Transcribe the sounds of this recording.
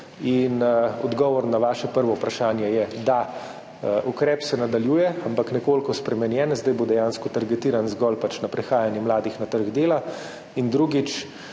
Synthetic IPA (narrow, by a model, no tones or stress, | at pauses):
inɔ̰d̪ɡɔːʋɔɾnaʋaːʃɛpəɾʋɔupɾaʃaːnjɛjɛd̪a | ʔukɾɛːpsɛnad̪aljuːjɛampaknɛkoːlkɔspɾɛmɛnjɛːnzd̪ajbod̪ɛjanskɔt̪aɾɡɛt̪iːɾanzɡɔːlpat͡ʃnapɾɛxaːjanjɛmlaːd̪ixnat̪əɾɡd̪eːla | ind̪ɾuɡit͡ʃ